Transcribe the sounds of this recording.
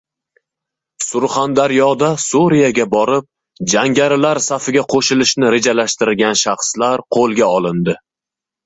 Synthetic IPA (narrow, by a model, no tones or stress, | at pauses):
sʊɾχand̪aɾjɒd̪asuɾijaɡʲabɒɾɪp̚ | d͡ʒaŋɡʲaɾɪlaɾsafɪɡʲaqʰoʃɪlɪʃnɪɾe̞d͡ʒalaʃt̪ɪɾɪɡʲanʃɑχslaɾqʰolˠɡʲaɒlˠɪnd̪ɪ